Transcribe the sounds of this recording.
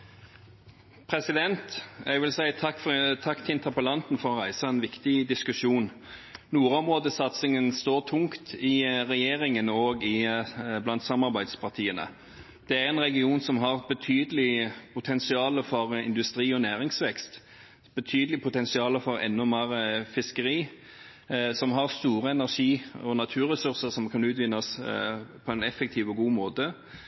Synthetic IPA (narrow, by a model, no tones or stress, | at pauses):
pʰɾɛsɪd̪ɛnt̪jæɡʋɪlsæɪt̪ʰɑkːft̪ʰɑkːt̪ʰɪɪnt̪ʰəpəlɑnt̪n̩fɔʁɔʁæɪsɑɛnʋɪkt̪ɪd̪ɪskʉʃuːn | nuːɾɔmʁoːd̪əsɑt̪sɪŋənst̪oːʁt̪ʰʊŋkt̪ʰɪʁɛjeːʁɪŋənoːɡɪblɑnt̪sɑmɑʁbæɪd̪spʰɑʁt̪ʰiːənə̰ | d̪̥ɛæɾɛnʁɛɡɪuːnsɔmɦɑʁbət̪ʰyːd̪əlɪpʰʊt̪ʰɛnsɪɑːləfɔɾɪ̰nd̪ʉst̪ɾiːɔnæːʁɪŋsʋɛkst̪ | b̥ət̪ʰyːd̪əlɪpʰʊt̪ɛnsɪɑːləfɔɾɛ̰nːɔmeːɾəfɪskəɾiː | sɔmɦɑʁst̪uːɾəɛnæʁʂiːɔnɑt̪ʰʉːɾɛsʉʁsəɾsɔmkʰɑnʉːt̪ʋɪnːɑspʰɔɛnɛfːək̚t̪ʰiːʋɔɡuːmoːt̪ə